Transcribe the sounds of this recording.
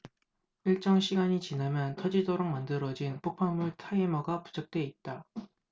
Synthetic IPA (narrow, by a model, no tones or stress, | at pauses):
iɭt͡ɕ͈ʌŋɕʰiɡaɲit͡ɕinamjʌntʰʌd͡ʑidoɾoŋmandɯɾʌd͡ʑinpok̚pʰamuɭtʰaimʌɡapu̥d͡ʑʰʌk̚t͈we̞it̚t͈a